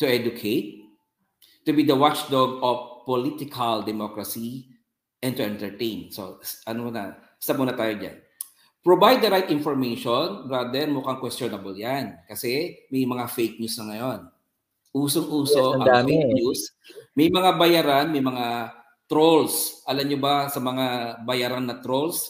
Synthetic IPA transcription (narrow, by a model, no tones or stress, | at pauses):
ʊʔɛd͡ʒʊkʰejt̪̚ː | ʊbid̪ɐwat͡ʃd̪oɡofpːolit̪ɪkʰɐld̪ɛmokɹɐsi | ʔɛnt̪ʊɛ̃nt̪ɛɹt̪ẽjnso̰ʔɐnonɐ̰ | st̪ap̚muːnɐt̪aːjod͡ʒa̰n | pɹobajd̪̚dɐɾajt̪ʔɪnfɔɹmejʃonbɹad̪ɛɾmʊkaŋkwɛst̪jonɐbɐljankɐsɛmɐjmɐŋafejk̚ɲuːsnɐŋɐjon | ʔuːsoŋʔuːsod̪amfekus | mɐjmɐŋabɐjaːɾanmɐjmɐŋa | t̪ɾolsʔɐlɐmɲobasɐmɐŋabɐjaːɾanːɐt̪ɾols